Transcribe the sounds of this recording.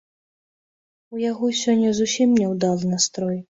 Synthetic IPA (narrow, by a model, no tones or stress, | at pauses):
ujaɣɔsʲɔnʲːɐzusʲimnʲɛwd̪alˠnast̪ɾɔj